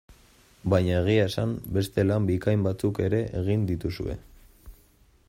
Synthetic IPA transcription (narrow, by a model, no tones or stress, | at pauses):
bajɲae̞ɣ̞iaesambe̞st̪e̞lambikajmbat͡suke̞ɾe̞ʔeɣ̞ind̪it̪usue̞̰